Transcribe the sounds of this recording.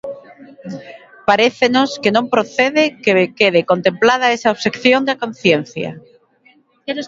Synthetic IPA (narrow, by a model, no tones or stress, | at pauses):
paɾeθenoskenõmpɾoθeðekekeðekont̪emplað̞aesaoβse̞kθjo̞nd̪ako̞n̟θjen̟θja̰